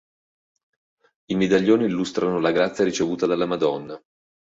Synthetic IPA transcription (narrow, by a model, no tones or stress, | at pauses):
imed̪aʎːoːniːlːust̪ɾanolaɡɾat̪sːjaɾit͡ʃevuːt̪ad̪alːamad̪ɔnːa